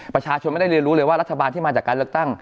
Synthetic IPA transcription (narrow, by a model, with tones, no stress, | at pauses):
pɾa˧t͡ɕʰaː˧t͡ɕʰo˧ma˥˩da˥˩ɾi˧ənɾu˦˥lɤː˧jwaː˥˩ɾa˦˥t̪ʰːa˧baː˧nt̪ʰiː˥˩ma˧t͡ɕaː˨˩kːaː˧lɯ˥˩ək̚t̪a˥˩ŋ